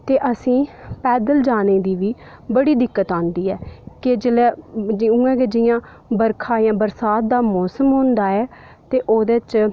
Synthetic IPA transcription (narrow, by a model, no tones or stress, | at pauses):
t̪eːʔəsĩːpɛːd̪əld͡ʒaːneːd̪iːʋiː | bəɽiːd̪ɪkːət̪ãːnd̪iːɛːkɪd͡ʒɪlɛːũːɛ̃ːked͡ʒɪjãː | bəɾkʰaːjãːbəɾsaːt̪̚d̪aːmɔːsəmɦõːnd̪aːɛː | t̪eːʔoːd̪eːt͡ʃ